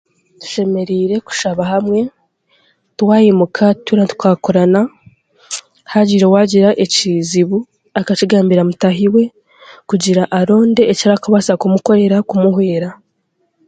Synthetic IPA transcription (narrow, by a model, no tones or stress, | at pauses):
tu̥ʃe̞me̞ɾiːɾe̞ku̥ʃaβahamŋe̞ | twaːjemukʰatuɾatu̥kaːkoɾana | haɟiɾewaɟiɾaʔeciziβu | akaciɡaːmbiɾamutaɦiwe̞ | kuɟiɾaʔaɾo̞ːnde̞ːciɾakaβasakumuko̞ɾe̞ɾakumuhwe̞ːɾa